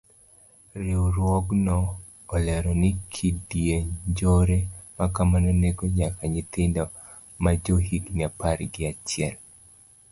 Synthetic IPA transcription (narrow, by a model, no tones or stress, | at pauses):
ɾɪwɾwɔɡnɔː | lɛɾɔnɪkʰidjeɲd͡ʒoɾemakamanɔneɡoɲakaɲɪt̪ɪndɔ | mad͡ʒoɦiɡɲapaɾɡɪat͡ʃjɛl